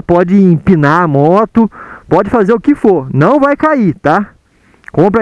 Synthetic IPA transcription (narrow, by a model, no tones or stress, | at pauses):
pɔd͡ʒɪĩpĩnaɐmɔt̪ʊpɔd͡ʒɪfazeɾʊkɪfoɾnɐ̃w̃vajkait̪a | kõmp̬ɾɐ